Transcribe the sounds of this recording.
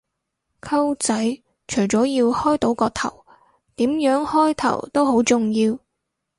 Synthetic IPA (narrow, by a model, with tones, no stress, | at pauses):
kʰɐ˥wt͡sɐ˨˥j | t͡ʃʰɵ˨˩jt͡sɔː˨˥jiː˧whɔː˥jt̪o˨˥wkɔː˧t̪ʰɐ̰˨˩w | t̪iː˨˥mjœː˨˥ŋhɔː˥jt̪ʰɐ̰˨˩wt̪o˥who˨˥wt͡sʊ˨ŋjiː˧w